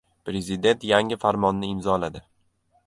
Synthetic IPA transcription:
pɾe̞zɪd̪e̞nt̪jaŋɪfaɾmɒnːɪɪmzɒlad̪ɪ

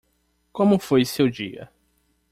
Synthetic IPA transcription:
kõmʊfojsewd͡ʒiɐ̰

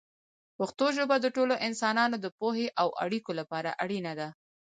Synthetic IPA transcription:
pʊxt̪oʒobad̪əʈoloʔɪnsɑnɑnod̪əpoheʔawa̰ɽikolapɑɾa̰ʔaɽinad̪a

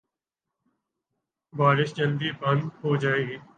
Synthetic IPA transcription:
baːɾɪʃd͡ʒəld̪iːbə̃nd̪ɦoːd͡ʒaːeːɡiː

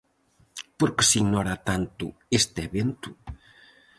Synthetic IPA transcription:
poɾke̥siɡnɔɾat̪ant̪ṵest̪eβent̪u

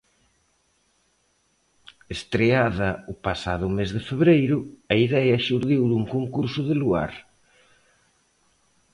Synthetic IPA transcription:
est̪ɾeaðɐʊpasa̰ðʊmezðɪfeβɾejɾʊɐiðɛɐʃuɾðiwðuŋkoŋkuɾsʊðɪlua̰ɾ

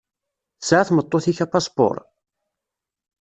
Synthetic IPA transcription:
θəsʕaθmət̪ˤːoθiçæpɑspo̰ɾˤ

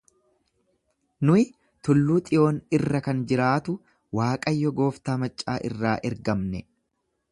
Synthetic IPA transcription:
nʊɪ | t̪ʊlːuːt̪ʼɪjo̞ːnɪrːɐkɐnd͡ʒɪɾaːt̪ʊ | waːkʼɐjːɔɡo̞ːft̪aːmɐt͡ʃʼːaːʔɪrːaːʔɛɾɡɐmnɛ

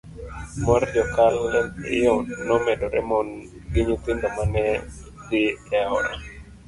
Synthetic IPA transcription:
mɔɾd͡ʒɔkalɪ̰jɔnːɔmɛdɔɾɛ̰mɔn | ɡɪɲut̪ɪndɔmanɛ | d̪ɪɛɔ̰ɾa̰

